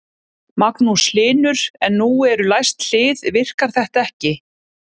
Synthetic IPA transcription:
maknuslɪːnʏɾ̥ɛnːuɛɾʏlajst̪l̥ɪːðvɪr̥kaɾ̥θɛht̪aɛhcɪ

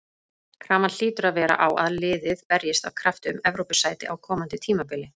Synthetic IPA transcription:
kʰɾaːmanl̥iːt̪ʏɾaðvɛːɾa̰ʔawaðlɪːðɪðpɛɾjɪst̪avkʰɾaft̪ʏmɛvɾowpʏsaːjt̪ɪ̰awkʰɔːmant̪ɪt̪ʰiːmapɪːlɪ

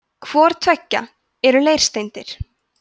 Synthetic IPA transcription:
kʰvɔːɾ̥t̪ʰvɛcːa̰ | ɛɾʏleːjɾ̥st̪ejnt̪ɪɾ̥

